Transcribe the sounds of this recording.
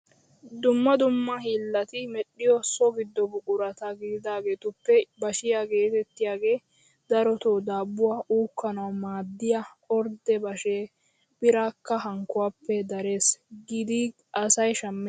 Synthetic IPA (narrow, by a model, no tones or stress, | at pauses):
d̪ʊmːɐd̪ʊmːɐhiːlːɐt̪ɪmɛɗːɪjɔsɔɡɪd̪ːɔbʊkʼʊɾɐt̪ɐɡɪd̪ɪd̪aːɡe̞ːt̪ʊpːɛbɐʃɪjaːɡe̞ːt̪ɛt̪ːɪjaːɡe̞ː | d̪̥ɐɾɔt̪oːd̪aːbːʊwaːʔuːkːɐnɐwmaːd̪ːɪjɐ | ɔɾd̪ɛbɐʃeː | b̥ɪɾaːkːɐɦɐŋkːʊwaːpːɛd̪ɐɾe̞ːsɡɪd̪ɪ | ʔɐsɐjʃɐmːɛ